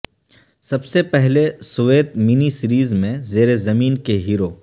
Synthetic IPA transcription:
sɐbsepɛɦlesʊʋeːt̪mɪnisɪɾiːzmẽzeːɾezɐmiːnkeɦiːɾoː

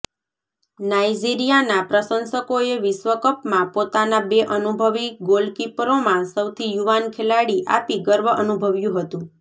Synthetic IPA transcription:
najd͡ʒiɾijanapɾəsənsəkoeʋɪsʋəkəpmãpot̪anabeʔənubʱəʋikɡolkipɾomãsəwt̪ʰijuʋankʰelaɽiʔa̰piɡəɾʋəʔənubʱəʋjũɦət̪ũ

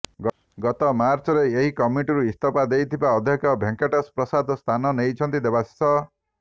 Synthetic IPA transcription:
ɡɔt̪ɔmaɾt͡ʃɔɾeeɦikɔmiʈiɾuist̪ʰɔpad̪ejt̪ʰibaɔd̪ʱjɔkɔbʱeŋkeʈɔspɾɔsad̪st̪ʰanɔnejt͡ʃʰɔnt̪id̪ebasi̥sɔ

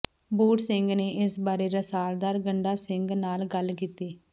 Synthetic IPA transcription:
buːʈsɪŋɡneːʔɪsbaːɾeːɾasaːld̪aːɾɡəɳɖaːsɪŋɡnaːlɡəlkiːt̪iː

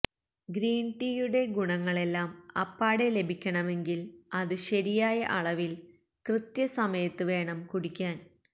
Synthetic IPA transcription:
ɡɾiːnʈiːjuɽe̞ɡuɳɐŋːɐɭe̞lːaːmɐ̰pːaːɽele̞bʱikʲːɐɳɐme̞ŋɡilɐðɨɕɐɾijaːjɐʔɐɭɐʋil | krɨt̪jɐsɐmɐjɐt̪ːɨʋe̞ːɳɐmkuɽikʲːaːn

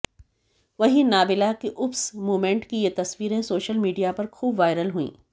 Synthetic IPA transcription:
ʋɐɦĩnaːbɪlakiʔʊpsmoːmẽɳʈkijet̪ɐsʋiːɾẽsoːʃəlmiːɖijapɐɾxʰuːbʋaːɪɾəlɦuḭ̃ː

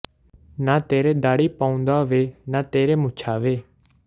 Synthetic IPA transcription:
naːt̪eːɾeːd̪aːɽiːpaːʊ̃nd̪aːʋeːnaːt̪eːɾeːmʊt͡ʃʰaːʋeː

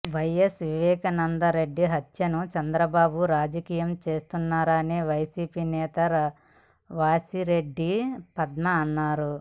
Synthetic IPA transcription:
ʋɐjesʋiʋɛːkɐnɐnd̪ɐɾe̞ɖːiɦɐt̪jɐnut͡ʃɐnd̪ɾɐbaːbuɾaːd͡ʒɐkiːjɐmt͡ʃe̞ːst̪unːaːɾɐːneːʋɐjsiːpiːnɛːt̪ɐɾ | ʋaːsiɾe̞ɖːipɐd̪nɐːnːaːɾu

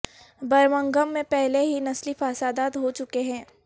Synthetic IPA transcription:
bɐɾʋə̃ŋɡəmːẽpɛɦleɦinɐslifaːsaːd̪aːd̪ɦot͡ʃʊkeɦɛ̃ː

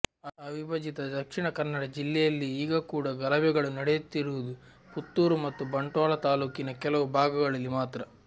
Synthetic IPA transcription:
ɐʋibɐd͡ʒit̪ɐd̪ɐkʂiɳɐkɐnːɐɽɐd͡ʒilːɛjɐlːiiːɡɐkuːɽɐɡɐlɐbɛɡɐɭunɐɽejut̪ːiɾuʋud̪u | put̪ːuːɾumɐt̪ːubɐɳʈaːlɐt̪aːluːkinɐkɛlɐʋubʱaːɡɐɡɐɭɐlːimaːt̪ɾɐ

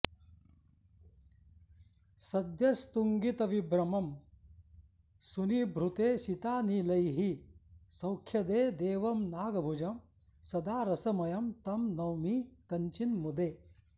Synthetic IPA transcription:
sɐd̪jɐst̪uŋɡit̪ɐʋibɾɐmɐm | sunibʱɾut̪eːʃit̪aːnilɐjɦisɐwkʰjɐd̪eːd̪eːʋɐmnaːɡɐbʱud͡ʒɐm | sɐd̪aːɾɐsɐmɐjɐmt̪ɐmnɐwmikɐɲt͡ʃinmud̪eː

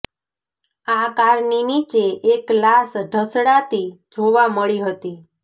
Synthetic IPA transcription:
akaɾninit͡ʃeʔeklasɖʱəsɽat̪i | d͡ʒʱoʋaməɭiɦət̪i

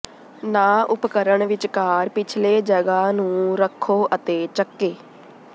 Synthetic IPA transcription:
naːʔʊpkəɾəɳʋɪt͡ʃkaːɾpɪt͡ʃʰleːd͡ʒəɡaːnũːɾəkʰːoːʔət̪eːt͡ʃəkːeː

